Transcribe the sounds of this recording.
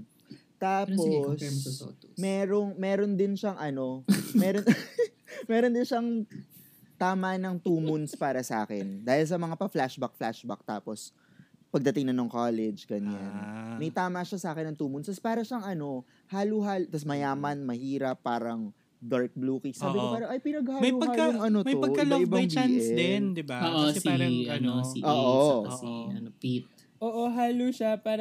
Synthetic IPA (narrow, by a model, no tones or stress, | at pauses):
t̪aːposs | mɛːɾoŋmɛːɾond̪ɪnʃɐŋʔɐno̞mɛːɾon | mɛːɾond̪ɪnʃaŋ | t̪aːmɐnɐŋt̪uːmʊnspaːɾɐsɐʔa̰ːkɛnd̪aːhɪls̬ɐmɐŋapɐflaʃbɐk̚flaʃbɐ̰k̚t̪aːpo̞s | pɐɡ̚d̪ɐt̪ɪŋnɐnoŋkaːlɛd͡ʒɡɐɲanmɐjt̪aːmɐʃɐsaːkɛnɐŋt̪uːmʊnsɐspaːɾɐʃɐŋʔɐno̞ | haːluɦaːlt̪ɐs̬mɐjaːmɐnmɐhiːɾɐpːaːɾɐŋ | d̪aɹk̚bluːkisaːbɪkopaːɾɐŋʔɐjpɪnɐɡ̚haːmɐjupɐɡhakajʊŋʔɐnomɐjopɐɡkːɐloɪbat͡ʃbiaʔɛɛnd̪ɪbaoʔosiɐnosiʔoːʔʔoɐsɛɐpit̪̚ | ʔoːʔoɦaːluʃapaːɾ